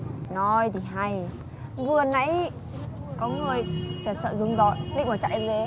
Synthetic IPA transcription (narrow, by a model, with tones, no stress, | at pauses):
nɔ˨˦jt̪ʰi˨˩ɦa˧j | vɨ˨˩əna˧˦j | kɔ˨˦ŋɨ˨˩əjt͡ɕəː˧˩sə̰ː˧˨zʊ˨˦ŋ͡mzɔ˧˦jlḭ˧˨ŋvaː˨˩t͡ɕa̰ː˧˨ʔi˨˧˦le˨˦